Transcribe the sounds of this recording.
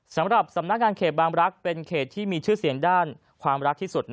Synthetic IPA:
sa˩˦mɾa˨˩p̚sa˩˦mna˦˥k̚ŋaː˧nkʰeː˨˩t̪̚baː˧ŋɾa˦˥k̚pe˧nkʰeː˨˩t̪ʰːiː˥˩miː˧t͡ɕʰɯː˥˩si˩˦əŋdaː˥˩n | kʰwaː˧mɾa˦˥k̚t̪ʰiː˥˩su˨˩t̪̚

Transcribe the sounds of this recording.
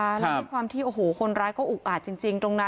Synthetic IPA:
a˦˥lːkʰwaː˧mt̪ʰiː˥˩ʔoː˨˩ɦoː˩˦kʰo˧nɾaː˦˥jkɔː˥˩ʔu˨˩k̚ʔaː˨˩t̪̚t͡ɕi˧ŋt͡ɕi˧ŋt̪o˧ŋna˦˥

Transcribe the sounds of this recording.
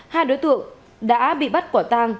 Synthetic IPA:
haː˧jɗo˨˦jt̪ɨ̰˧˨əŋ | ɗa̰ː˧˥ɓḭ˧˨ɓa˦˥t̚kaː˧˩t̪aː˧ŋ

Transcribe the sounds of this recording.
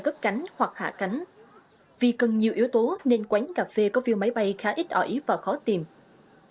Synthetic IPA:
kə˦˥k̚ka˨˦jŋ̟hwa˨˩k̚ha̰ː˧˨ka˨˦jŋ̟ | vi˨˩kə˨˩nɲi˨˩əwʔi˨˦əwt̪o˨˦ne˧nkwa˨˦jŋ̟ɣaː˨˩fe˧kɔ˨˦vi˧˨əma˨˦jɓa˧˩jxaː˨˦ʔi˦˥t̚ʔəː˧˩ʔi˨˦vaː˨˩xɔ˨˦t̪i˨˩m

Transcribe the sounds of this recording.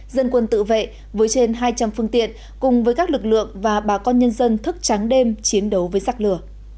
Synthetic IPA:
zə˧nkwə˧nt̪ɨ̰˧˨vḛ˧˨ | vəː˨˦jt͡ɕe˧nɦaː˧jt͡ɕa˧mfɨ˧əŋt̪ḭ˧˨ən | kʊ˨˩ŋ͡mvəː˨˦jkaː˦˥k̚lɨ˨˩k̚lɨ̰˧˨əŋvaː˨˩ɓaː˨˩kɔ˧nɲə˧nzə˧nt̪ʰɨ˦˥k̚t͡ɕa˨˦ŋɗe˧mt͡ɕi˨˦ənɗə˨˦wvəː˨˦jzaː˨˩k̚lɨ˨˧˩ə

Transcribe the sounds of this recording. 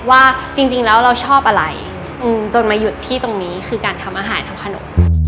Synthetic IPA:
waː˥˩t͡ɕi˧ŋt͡ɕi˧ŋlɛː˦˥wɾa˧wt͡ɕʰɔː˥˩p̚ʔa˧ɾa˧j | ʔɯː˧˩mt͡ɕo˧nmaː˧ju˨˩t̪ʰːiː˥˩t̪o˧ŋniː˦˥kʰɯː˧kaː˧nt̪ʰa˧mʔaː˧ɦaː˩˦nt̪ʰa˧mkʰa˧no̰˨˩˦m

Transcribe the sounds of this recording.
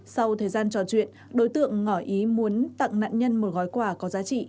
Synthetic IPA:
sa˧wt̪ʰəː˨˩jzaː˧nt͡ɕɔ˧˩t͡ɕwḭ˧˨ənɗo˨˦jt̪ɨ̰˧˨əŋːɔ˧˩ʔi˨˦mu˨˦ənt̪a̰ː˧˨ŋna̰ː˧˨nɲə˧nmo˨˩t̚ɣɔ˨˦jkwaː˧˩kɔ˨˦zaː˨˦t͡ɕḭ˧˨

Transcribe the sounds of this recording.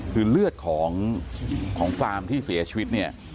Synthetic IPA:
kʰɯː˧lɯ˥˩ət̪̚kʰɔː˩˦ŋ | kʰɔː˩˦ŋfaː˧mt̪ʰiː˥˩si˩˦ɐt͡ɕʰiː˧wi˦˥t̪̚ni˥˩ɐ

